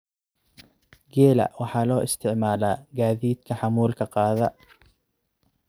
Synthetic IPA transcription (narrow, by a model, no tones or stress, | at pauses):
ɡɛːlɐ̰wɑħɑːlɔːʔɪst̪ʰɪʕmaːlaːɡaːðiːd̪kʰɐħɑmuːlkʰɐqɑːðɐ